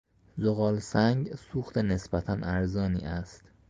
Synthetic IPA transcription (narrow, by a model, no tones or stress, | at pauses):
zoɣɒːlsæŋɡsuːxt̪ʰene̞sbæt̪ʰænʔæɾzɒːnḭːʔæst̪